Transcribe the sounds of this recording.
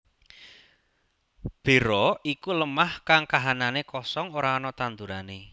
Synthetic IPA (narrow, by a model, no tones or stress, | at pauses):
b̥e̤ɾɔikuləmahkaŋkaɦananekɔsɔŋoɾaɔnɔt̪and̪uɾane